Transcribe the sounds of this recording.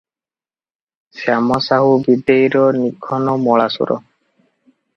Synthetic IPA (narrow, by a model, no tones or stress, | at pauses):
samɔsaɦubid̪eiɾɔnikʰːɔnɔmɔɭasṵɾɔ̰